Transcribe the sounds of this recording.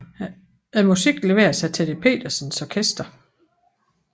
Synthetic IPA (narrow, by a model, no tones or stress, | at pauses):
æmusiɡ̥le̝ʋe̝̰ːɐsɑ̈ɪt͡sʰed̥epʰe̝̰ːd̥ɐsənsɒkʰesd̥ɐ